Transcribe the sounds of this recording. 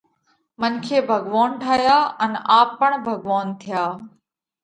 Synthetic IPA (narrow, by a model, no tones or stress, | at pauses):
mənkʰeːbʱəɡʋaːnʈʰaːjaːənaːpːəɳbʱəɡʋaːnt̪ʰɪjaː